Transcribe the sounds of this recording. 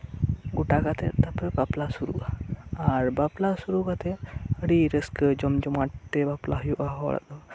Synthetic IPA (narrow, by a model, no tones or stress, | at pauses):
ɡuʈakat̪ʰɛt̪apəbaplasuɾṵʔaaɾbaplasuɾukat̪ʰeəɽiɾəskəd͡ʒɔmd͡ʒɔmaʈt̪ebaplaɦɔjuʔaɦɔ̰ɭa̰d̪ɔ